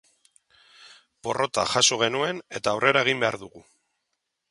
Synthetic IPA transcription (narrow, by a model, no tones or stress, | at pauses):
po̞rʔo̞t̪a̰xasoɣ̞e̞nue̞ne̞t̪aːwre̞ɾae̞ɣ̞imbe̞aɾðuɣu